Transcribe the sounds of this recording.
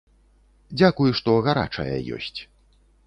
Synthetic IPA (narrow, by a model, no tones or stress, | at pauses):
d͡zʲakujuʂt̪ɔɣaɾa̰t͡ʂɐ̰jɐ̰jɔ̰sʲt͡sʲ